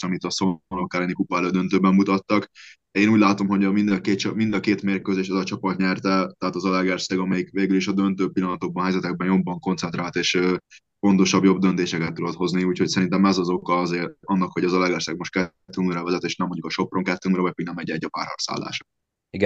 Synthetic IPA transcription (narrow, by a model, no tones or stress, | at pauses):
ɒmit̪ɒsolokːaɾɛnikupaːløːd̪ønt̪øːbɛmːut̪ɒt̪ːɒk | eːnuːɟlaːt̪o̞mɦo̞ɟɒmind̪ɒkeːt͡ʃmind̪ɒkeːt̪meːrkøːzeːʃɛzɒt͡ʃɒpɒt̪ɲɛrt̪ɛt̪ɛɦaːt̪ɒzɒlɛɡɛrsɛɡɒmɛjikveːɡyliʃɒd̪ønt̪øːpilːɒnɒt̪o̞ɡ̚bɒnɦɛjzɛt̪ɛɡ̚bɛnjo̞bːɒŋko̞nt̪sɛnt̪ɾaːlt̪eːʃ | fo̞nt̪o̞ʃɒbjo̞b̚d̪ønt̪eːʃɛkɛt̪ːud̪ot̪ho̞zniuːcho̞csɛɾint̪ɛmɛzɒzo̞kɒɒzeːrɒnːɒkho̞ɟɒzɒlɛɡɛrsɛɡ̚mo̞ʃt̪̚kɛt̪ːyuŋrɛvɛzɛt̪eːʃnɛmːoɲɟukɒʃo̞pro̞ŋkɛt̪ːyuŋɾɛvɒc̚piɡnɛmɛɟɛɟːɒpa̰ːrhɒ̰ksa̰ːlːa̰ːʃɒ̥ | iɡ